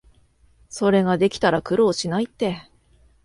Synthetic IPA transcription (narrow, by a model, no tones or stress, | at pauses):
so̞ɾe̞ɡad̪e̞kʲi̥t̪aɾakɯ̟ɾo̞ːɕinait̪ːe̞